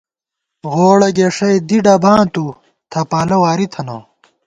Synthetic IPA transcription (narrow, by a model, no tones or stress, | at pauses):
ʁoːɽɐɡeːʂɐjd̪iɖɐbʱãːt̪u | t̪ʰɐpaːlɐwaːɾit̪ʰɐno̰